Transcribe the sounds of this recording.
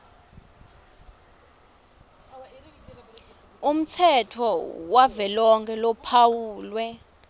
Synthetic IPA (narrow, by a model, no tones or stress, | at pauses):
um̩t͡sʰɛtʰɔwavɛlɔŋkʰɛlɔpʰawuːlwɛ